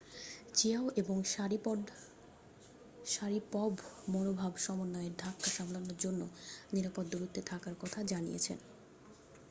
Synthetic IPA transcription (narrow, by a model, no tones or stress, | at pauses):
t͡ɕeaoʔeboŋɾ | ʃaɾipɔbmonobʱabʃɔmonːɔeeɾd̪ʱakːaʃamlonoɾd͡ʑonːoniɾapod̪ːoɾut̪ːet̪ʰakaɾkɔt̪ʰad͡ʑanijḛt͡ɕʰḛn